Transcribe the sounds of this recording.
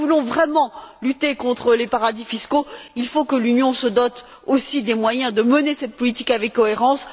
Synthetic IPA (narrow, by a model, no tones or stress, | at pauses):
vulɔ̃vʁɛmɑ̃lyt̪ekɔ̃t̪χəlepaʁad̪ifiskoilfokəlynjɔ̃səd̪ɔt̪ | osid̪emwajɛ̃d̪əmənesɛt̪̚pɔlit̪ikavɛkːɔeʁɑ̃s